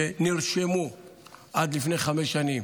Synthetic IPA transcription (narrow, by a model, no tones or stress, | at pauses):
eniɾʃemo | ad̪lifneχamɛsʃanim